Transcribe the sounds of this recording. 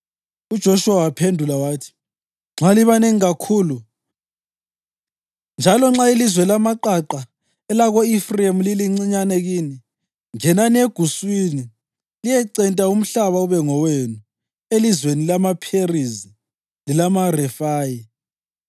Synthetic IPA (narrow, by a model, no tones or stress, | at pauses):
ud̥ʒ̥ʱɔʃuwawapʰendʱulawaːtʰi̥ | ŋ͡ǁʱaliβaneŋiɣakʰuːlu | nd͡ʒʱalɔŋ͡ǁailizwɛlamaǃaǃa | ɛlaɣɔifriemliliŋ͡ǀiɲanɛɣini | ŋɛnaneɡ̥ʱuswini | lijɛǀɛntʼaum̩ɬaβauβɛŋɔwenu | elizwenilamapʰerizi | lilamarɛfaːji